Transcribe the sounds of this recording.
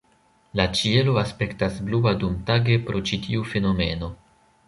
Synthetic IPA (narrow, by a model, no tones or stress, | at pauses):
lat͡ʃie̞loaspe̞ktasbluadumtaɡe̞pɾʔo̞t͡ʃitʰiufe̞no̞me̞no̞